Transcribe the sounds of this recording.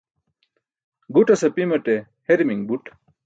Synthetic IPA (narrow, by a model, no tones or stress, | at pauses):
ɡuʈɐsɐpimɐʈe | heɾimiŋbuʈ